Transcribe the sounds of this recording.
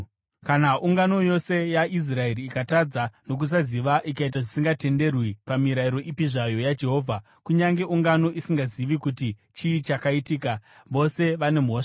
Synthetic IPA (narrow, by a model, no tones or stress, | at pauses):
kanaʔuŋɡano̞jo̞se̞jaʔis̬rae̞ɾiːkatad͡zano̞k̬us̬aziʋaʔikait̬aʐisiŋɡate̞nde̞rwipamiɾaiɾo̞ʔipiʐajo̞jad͡ʒe̞ɦo̞ːvʱa | kuɲaŋɡe̞ʔuŋɡano̞ʔisiŋɡaziʋikutit͡ʃiːt͡ʃakaitiːka | ʋo̞se̞ʋane̞moːʂḁ